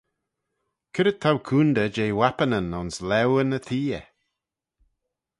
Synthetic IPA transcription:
kʰəɾət̪ʰawkʰuːnd̪əd͡ʒeːwapənənɔnslɛwənəθʰiːə̰

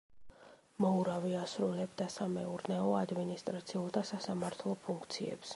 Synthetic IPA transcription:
mɔuɾaviasɾulɛbd̪asamɛuɾnɛɔad̪minist̪ʼɾat̪sʰiulˠd̪asasamaɾt̪ʰlˠɔpʰuŋkʰt̪sʰiɛ̰ps

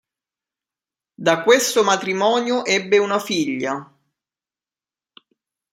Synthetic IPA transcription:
d̪akːwest̪omat̪ɾimɔːnjoʔɛbːeunafiʎːa

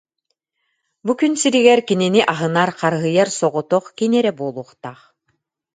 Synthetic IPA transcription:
bukynsiɾiɡɛɾkininiʔaɦɯnaɾqaɾɦɯjaɾsɔʁɔt̪ɔχkinɛɾɛbuɔlˠuɔχt̪aːχ

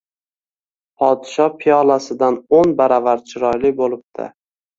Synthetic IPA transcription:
pʰɒd̪ɪʃɒpʰijɒlˠasɪd̪anonbaɾavaɾt͡ʃʰɪɾɒjlɪbolˠɪp̚t̪ʰɪ̰

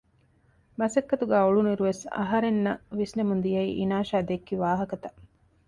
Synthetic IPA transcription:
mɐsɐkːɐt̪uɡæːoɭuniɾuʋesɐ̰ɦɐɾenːɐʋisnemund̪ijɐḭːʔḭnaːʃaːd̪ekːiʋaːɦɐkɐt̪ɐ̥

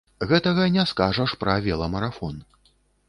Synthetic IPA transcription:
ɣɛt̪ɐɣɐnʲɛskaʐɐʂpɾɐvʲɛlˠɐmɐɾafɔn

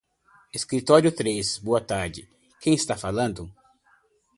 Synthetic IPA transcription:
eskɾit̪ɔɾjʊt̪ɾesboɐt̪aɾd͡ʒɪ | kʰẽj̃ɪst̪afalɐ̃nd̪ʊ

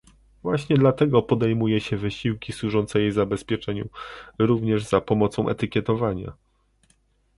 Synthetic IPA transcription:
vwaɕɲɛd̪lat̪ɛɡɔpɔd̪ɛjmujɛɕɛvɘɕiwkʲiswuʐɔnt̪sɛjejzabɛspʲjɛt͡ʂɛɲṵɾuvɲɛʐz̥apɔmɔt̪sɔ̃w̃ʔɛ̰t̪ɘkʲjɛt̪ɔvaɲa̰

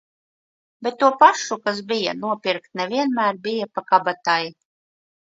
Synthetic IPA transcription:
bʲet̪ːuɔpaʃukas̬bija̰nuɔpʲiɾkt̪nɛvʲiɛnmæːɾbijapakabat̪aj

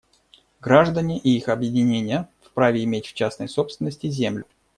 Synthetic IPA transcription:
ɡɾaʐd̪ənʲɪʔɪixɐbjɪdʲɪnʲenʲɪjəfpɾavʲɪɪmʲetʲft͡ɕasnə̰jso̞pst̪vʲɪnːəsʲtʲɪzʲemlʲʊ

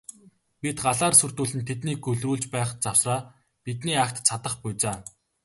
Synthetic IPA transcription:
pit̪ɢaɮaːrsɵr̥t̪uːɮɘ̆nt̪ʰet̪niːɡɵɮruːɮt͡ɕpæːχt͡sawsraː | pit̪niːakt̪t͡sʰat̪ə̆χpʊjt͡saː

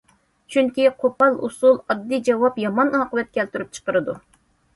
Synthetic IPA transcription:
t͡ʃʰyŋkʲiqʰopɑlˠṵsulˠɑd̪ːid͡ʒɑwɑpjɑmɑnɑːqəvɛt̪̚kʲʰɛlt̪yɾyp̚t͡ʃʰə̥qəɾɨd̪u

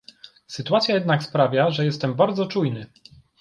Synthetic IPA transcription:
sɘt̪uat̪sʲjajɛd̪nakspɾavʲjaʐɛjɛst̪ɛmbaɾd̪zɔt͡ʂujnɘ

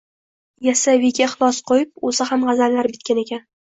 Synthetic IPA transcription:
jasavɪɡʲaχlˠɒsqʰojɪp̚osahamʁɑzallaɾbɪt̪kʲane̞kʲan

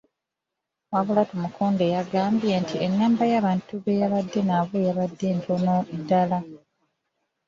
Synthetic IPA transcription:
waβulatomukʰuːndejaɡaːmbjentʰienːaːmbajaːβaːntuβejaβadːe̞naβwejaβadːe̞ːntʰonodala

